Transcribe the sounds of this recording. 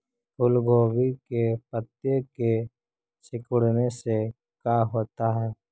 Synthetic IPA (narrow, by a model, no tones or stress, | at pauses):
pʰʊlɡoːbikepət̪jeke | sɪkʊɽnese | kaːɦoːt̪aɦɛː